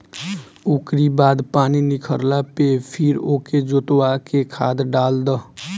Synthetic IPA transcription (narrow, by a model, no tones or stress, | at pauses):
ukɾibaːd̪paːninɪkʰəɾlapepʰɪɾoːked͡ʒoːt̪wakekʰa̰ːd̪ɖaːld̪ə